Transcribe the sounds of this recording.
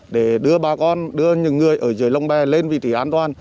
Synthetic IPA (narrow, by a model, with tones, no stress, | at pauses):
ɗe˧˩ɗɨ˧əɓaː˨˩kɔ˧nɗɨ˧əɲɨ˨˩ŋɨ˨˩əjʔəː˧˩zɨː˨˩jla˧wŋ͡mɓɛ˨˩le˧nvḭ˧˨t̪i˨˩ʔaː˧nt̪waː˨˩n